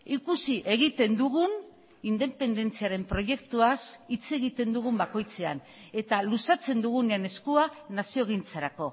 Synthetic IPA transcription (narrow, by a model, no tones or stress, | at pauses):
ikusiʔe̞ɣ̞it̪e̞nd̪uɣun | ind̪e̞pe̞nd̪e̞nt͡siaɾe̞mpɾo̞ʝe̞kt̪uasit͡se̞ɣit̪e̞nd̪uɣ̞umbako̞jt͡se̞a̰n | e̞t̪alusat͡se̞nd̪uɣ̞uneane̞skuanasio̞eɣ̞int͡saɾako̞